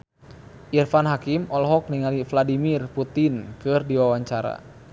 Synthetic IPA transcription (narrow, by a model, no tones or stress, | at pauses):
ʔirfanɦakimɔlɦɔk̚niŋalifladimirput̪inkɨrdiwawaɲt͡ʃaɾa̰